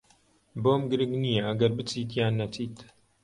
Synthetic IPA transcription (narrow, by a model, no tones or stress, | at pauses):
boːmɡɨɾɨɡnijeɐɡɐɾbɨt͡siːt̪̬jaːnːɐt͡siːt̪